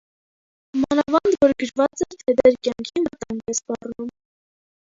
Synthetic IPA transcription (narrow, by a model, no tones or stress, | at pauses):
mɑnɑvɑnd̪vɔɾɡəɾvɑt͡sɛɾt̪ʰɛd̪ɛɾkjɑŋkʰinvət̪ɑŋɡɛspɑrnum